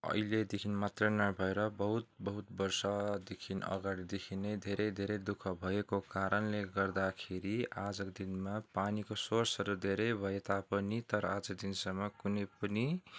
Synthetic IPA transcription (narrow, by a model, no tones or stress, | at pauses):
ʌ̰iled̪ekʰinmat̪rʌnabʱʌeɾʌbʌɦut̪̚bʌɦut̪̚bʌrsʌd̪ekʰinʌ̰ɡaɽid̪ekʰined̪ʱeɾʌjd̪ʱeɾejd̪ukʰʌbʱʌekokaɾʌnleɡʌrd̪akʰeɾiad͡zʌkd̪inmapanikosorsʌɾud̪ʱeɾʌjbʱʌet̪apʌnit̪ʌɾʌad͡zʌkd̪insʌmːʌkunʌjpʌni